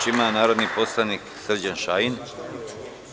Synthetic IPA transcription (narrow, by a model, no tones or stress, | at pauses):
imanaːɾo̞d̪nipo̞slanik | sr̩d͡ʑanʃaːjin